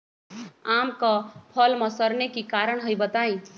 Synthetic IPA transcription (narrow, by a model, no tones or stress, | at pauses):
amkɔpʰʌlmʌ̃səɾnekikaɾəɽ̃ɦəjbət̪aĩ